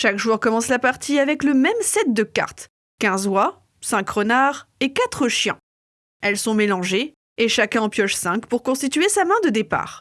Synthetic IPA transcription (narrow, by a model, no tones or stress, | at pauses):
ʃakʒuʁkɔmɑ̃slapaʁt̪ʰiavɛkləmɛmsɛt̪̚d̪əka̰ʁt̪ | kʲɛ̃zwa | sɛ̃kʁənaʁekat̪χəʃjɛ̰̃ | ɛlsɔ̃melɑ̃ʒe | eʃakʲɛ̃ɑ̃pjɔʒsɛ̃kpuʁkɔ̃st̪it̪ɥesamɛ̃d̪əd̪epa̰ːʁ